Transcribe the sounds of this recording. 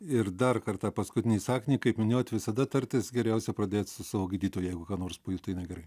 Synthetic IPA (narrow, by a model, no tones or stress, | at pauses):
ɪrd̪ɐrkɐrt̪ɑːpɐskʊt̪ʲɪnʲiːsɑːkʲnʲikɐɪpmʲɪnʲoːt̪ʲʋʲɪsɐd̪ɐt̪ɐɾʲt̪ʲɪsɡʲɛɾʲɛʊsʲɛpɾɐd̪ʲeːt̪sʊsɑːʋoːɡʲiːd̪ʲiːt̪oːjʊjɛɪɡʊkɑːnoːrspoːjut̪ɐɪnɐɪɡʲɛɾɐɪ